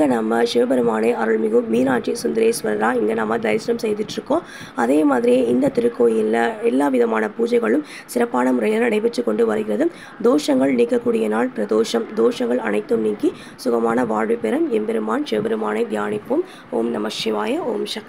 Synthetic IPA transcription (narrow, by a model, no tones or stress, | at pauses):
ɡɐnɐmɐʂeːbɛɾɯmaːnɐɪʔɐɾɯɭmɪɣɯːiːnaːʈt͡ʃisʊnd̪ɪɾeːsʋɐɾɐɾaːɪŋɡɐnɐmːɐd̪ɐɪsʈɐmsɛjðɪʈːɾɯkːõː | ɐðeːmaːðɪɾɪjeɪnd̪ɐt̪ɪɾɯkːoːjɪlːɐɛlːaːʋɪðɐmaːnɐpuːd͡ʒɐɪɣɐɭɯm | sɪɾɐpːaːnɐmʊɾɐjlɐɾɐɽɐɪpɛʈːɯkːɔɳɖɯʋɐɾɯɣɪrɐðɯ | d̪oːʂɐŋɡɐɭniːkːɐkːuːɽɪjɐnaːɭpɪɾɐðoːʂɐmd̪oːʂɐŋɡɐɭɐ̰nɐɪt̪ːɯmniːŋki | sʊɣɐmaːnɐʋaːɻʋɯpːɛɾɐmɛmbɛɾɯmaːnʂeːbɛɾɯmaːnɐɪd̪jaːnɪpːoːm | oːmnɐmɐʂɪʋaːjɐo̰ːmʃɐk